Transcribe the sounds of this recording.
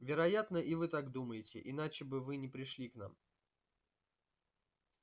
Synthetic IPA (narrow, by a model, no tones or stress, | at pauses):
vʲɪɾɐjat̪nəʔɪvɨt̪aɡd̪uməjɪtʲɪ̰ʔɪn̪at͡ɕɪbɨvɨnʲɪpɾʲɪʂlʲikna̰m